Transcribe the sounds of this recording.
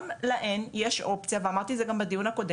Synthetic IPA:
mlaʔenjeʃʔo̞pt͡sijaveamaʁt̪izeɡambad̪ijunhako̞d̪e

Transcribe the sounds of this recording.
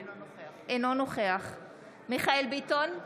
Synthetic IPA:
ʔenonoχeaχ | miχaelbiton

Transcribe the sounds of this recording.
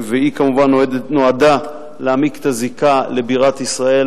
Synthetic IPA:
veikamuvanːoenoad̪a | leamike̥t̪azikale̞biʁat̪isʁae̞

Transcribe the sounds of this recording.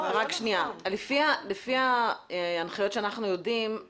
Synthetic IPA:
ʁakʃnialefialefia | anχajo̞tʃeanaχnujo̞dim

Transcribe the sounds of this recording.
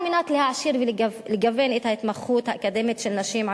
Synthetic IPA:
mɪnaːt̪lihaʕaʃiːɾvilɡlɪɡaveːnʔɪːt̪haʔɪt̪maxːuːt̪haʔakad̪eːmet̪ʃɪlnaʃiːmʕa

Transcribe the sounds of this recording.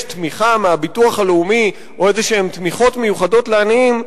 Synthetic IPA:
tmiχameabituaχale̞umi | ʔo̞e̞zeʃeemt̪miχo̞tme̞juχado̞tleaniim

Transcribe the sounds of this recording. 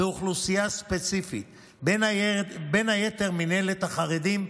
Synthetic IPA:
euχlusijaspet͡sifḭt̪ | b | benajet̪e̞ʁminelet̪haχaʁed̪im

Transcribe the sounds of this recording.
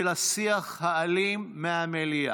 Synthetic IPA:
lasiaχhaːlimːeamelia̰

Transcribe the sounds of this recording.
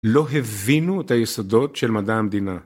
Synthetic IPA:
lo̞ɦevinuet̪ajesodo̞tʃe̞lmad̪aamd̪ina

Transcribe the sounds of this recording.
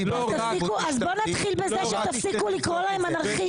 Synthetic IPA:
t̪afsikuazbo̞nat̪χilbezeʃet̪afsikulikʁolaemanaʁχi

